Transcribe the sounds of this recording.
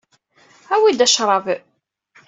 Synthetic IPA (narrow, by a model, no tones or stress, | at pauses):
æwid̪æʃɾˤɑv